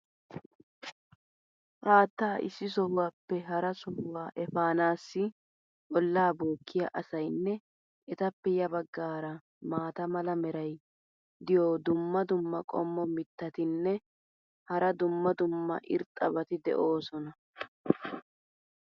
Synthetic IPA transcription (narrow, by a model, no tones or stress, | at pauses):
ʔaːt̪ːaːʔɪ̰sːɪs̬ɔhʊwaːpːɛɦɐɾɐsɔhʊwaːʔɛfaːnaːsːɪ | ʔɔlːaːboːkːɪjaʔɐsɐjnːɛ | ʔɛt̪ɐpːɛjɐbɐɡːaːɾɐ | maːt̪ɐmɐlɐmɛɾɐj | d̪ɪjoːd̪ʊmːɐd̪ʊmːɐkʼɔ̰mːɔmɪt̪ːɐt̪ɪnːɛ | hɐɾɐd̪ʊmːɐd̪ʊmːɐ̰ʔɪ̰ɾt̪ʼːɐbɐt̪ɪd̪ɛ̰ʔo̞ːsɔnɐ